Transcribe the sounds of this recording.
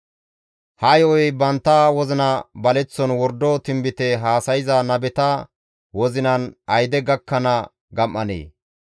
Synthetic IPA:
hɐjɔjbɐnt̪ːɐwɔzɪnɐbɐlɛt͡sːɔnwɔɾd̪ɔt̪ɪmbɪt̪ɛɦaːsɐjɪzɐnɐbɛt̪ɐ | wɔzɪnɐnɐjd̪ɛɡɐkːɐnɐ | ɡɐmːɐnḛː

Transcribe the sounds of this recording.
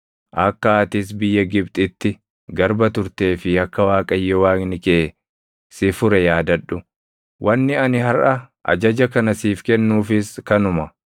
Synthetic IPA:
ʔɐkːɐaːt̪ɪs̬bɪjːɐɡɪbt̪ʼɪt̪ːɪ | ɡɐɾbɐt̪ʊɾt̪e̞ːfɪɐkːɐwaːkʼɐjːɔwaːnɪkeː | sɪfʊɾɛjaːd̪ɐᶑːʊ | wʔɐnːɪɐnɪhɐrʔɐ | ʔɐ̰d͡ʒɐd͡ʒɐkɐnɐsiːfkɛnːuːfɪskɐnʊmɐ

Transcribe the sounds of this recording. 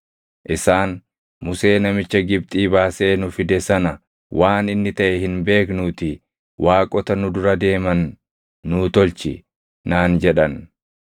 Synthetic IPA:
ʔɪsaːn | mʊse̞ːnɐmɪt͡ʃːɐɡɪb̚t̪ʼiːbaːse̞ːnʊfɪd̪ɛsɐnɐ | wʔaːnɪnːɪt̪ɐʔɛhɪnbe̞ːknuːt̪ɪ | wʔaːkʼɔt̪ɐnʊd̪ʊɾɐd̪e̞ːmɐnː | ʊːt̪ɔlt͡ʃɪ | naːnd͡ʒɛᶑɐn

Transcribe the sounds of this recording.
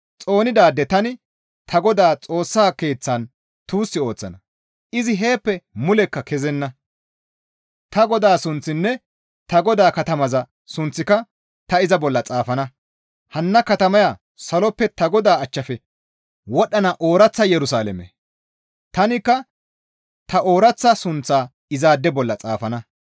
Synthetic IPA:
t͡sʼo̞ːnɪd̪aːd̪ːɛt̪ɐnɪ | t̪ʰɐɡɔd̪aːt͡sʼo̞ːsːaːke̞ːt͡sːan | t̪uːsːɪo̞ːt͡sːɐ̰nɐ | ʔɪzɪɦe̞ːpːɛmʊlɛkːɐkɛzɛnːɐ | t̪ɐɡɔd̪aːsʊnt͡sːɪnːɛ | t̪ɐɡɔd̪aːkɐt̪ɐmɐzɐ | sʊnt͡sːɪkɐ | t̪ɐɪzɐbɔlːɐt͡sʼaːfɐnɐ | hɐnːɐkɐt̪ɐmɐjaː | sɐlɔpːɛt̪ɐɡɔd̪aːɐt͡ʃːɐfɛ | wɔɗːɐnɐʔoːɾɐt͡sːɐjɛɾʊsaːlɛ̰mɛ̰ | t̪ɐnɪkːɐ | t̪ɐʔoːɾɐt͡sːɐsʊnt͡sːaː | ɪzaːd̪ːɛbɔlːɐt͡sʼa̰ːfɐnɐ

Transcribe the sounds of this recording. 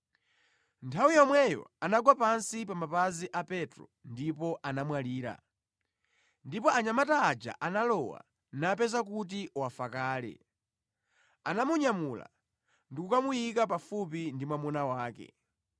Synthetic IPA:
ntʰawijɔmwɛjɔ̰anaɡwapansipamapaziʔapɛtɾɔndipɔʔanamwaliːɾa̰ | ndipɔʔaɲamataːd͡ʒa̰ʔanalɔwa̰ | nap̬ɛzakut̬iwafakaːlɛ̰ | anamuɲamula̰ | ndikukamujikapafup̬indimwamunawaːkɛ̰

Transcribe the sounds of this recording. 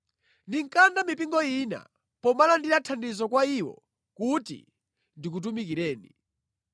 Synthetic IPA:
ndiŋkandamipiŋɡɔina̰ | pɔmalandinatʰandizɔkwaiwɔ̰ | kutḭ | ndikut̬umikiɾɛːni

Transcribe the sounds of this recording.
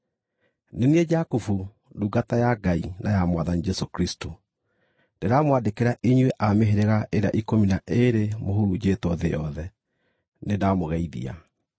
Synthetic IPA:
nenied͡ʒakufu | duɡatajaɡainajamwaðanid͡ʒɛsokɾisto | nd̥eɾamowadekeɾaʔiɲweʔameɦeɾeɣaʔeɾea̰ʔikominaʔeɾemohuɾud͡ʒetwɔðejɔðɛ | nedamoɣɛiðḭa̰

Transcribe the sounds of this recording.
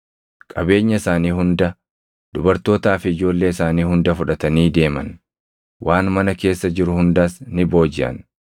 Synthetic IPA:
kʼɐbe̞ːɲːɐɪsaːniːhʊnd̪ɐ | d̪ʊbɐɾt̪o̞ːt̪aːfɪɪd͡ʒo̞ːlːe̞ːɪsaːniːhʊnd̪ɐfʊᶑɐt̪ɐniːd̪e̞ːmɐ̰n | wʔaːnmɐnɐke̞ːsːɐd͡ʒɪɾʊhʊnd̪aːsnɪbo̞ːd͡ʒɪʔɐ̰n

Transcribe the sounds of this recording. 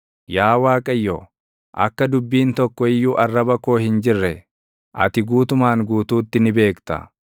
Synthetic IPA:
jaːwaːkʼɐjːo | ʔɐ̰kːɐd̪ʊbːiːnt̪ɔkːɔɪjːuːʔɐrːɐbɐko̞ːhɪnd͡ʒɪrːɛ | ʔɐ̰t̪ɪɡuːt̪ʊmaːŋɡuːt̪uːt̪ːɪnɪbe̞ːkt̪ɐ̰

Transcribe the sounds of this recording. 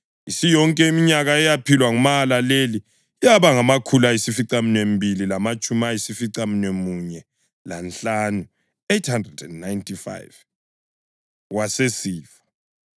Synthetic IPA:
isijɔŋkʼɛimiɲaɣaɛjapʰilwaŋumaːlaleli | jaβaŋamakʰulajisifiǀaminwembʱililamat͡ʃʼumajisifiǀaminwemuɲɛ | lanɬaːnu | ejtʰhandrɛdɛnːajntʰʼifa̰jv | wasesiːfḁ

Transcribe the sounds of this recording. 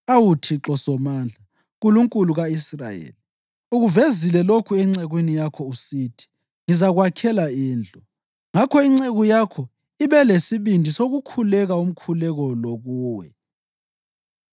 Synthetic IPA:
awutʰiǁɔsɔmaːnd͡ɮʱa | ɣuluŋkʼuluɣaisra̰jḛːli | uɣuvezilɛlokʰuɛŋ͡ǀeɣwinijakʰɔusiːtʰi̥ | ŋizaɣwakʰɛlaiːnd͡ɮʱɔ | ŋakʰɔiŋ͡ǀeɣujakʰɔ | iβɛlesiβindʱisoɣukʰulɛɣaum̩kʰulɛɣɔloɣuːwɛ̰

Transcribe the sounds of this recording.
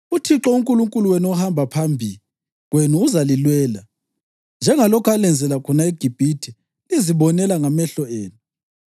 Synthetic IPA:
utʰiǁɔuŋkʼuluŋkʼuluwɛnɔhambʱapʰambʱḭli | ɣwenuːzalilwɛːla | nd͡ʒʱɛŋalɔkʰalɛnd͡zʱɛlakʰɔnaeɡ̥ʱib̥ʱitʰi | iziβɔnɛlaŋamɛɬɔeːnu

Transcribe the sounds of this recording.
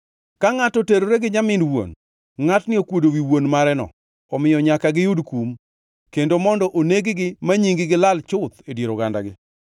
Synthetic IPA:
kaŋatɔteɾoɾeɡɪɲamɪnwo̰n | ŋatnɪokwodowiwonmaɾɛnɔ̰ | ɔmɪjɔɲakaɡɪjudkum | kendomɔndɔʔoneɡɪɡɪmaɲiŋɡɪɡɪlalt͡ʃʊt̪edjeɾoɡanda̰ɡɪ

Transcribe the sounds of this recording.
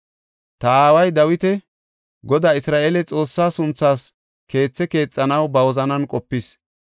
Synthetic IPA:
t̪ɐaːwɐjd̪ɐwɪt̪ɛ | ɡɔd̪aːɪsɾaːʔeːlɛt͡sʼo̞ːsːaːsʊnt͡sːaːs | ke̞ːt͡sːɛke̞ːt͡sʼːɐnɐwbɐwɔzɐnɐnkʼɔpːɪs

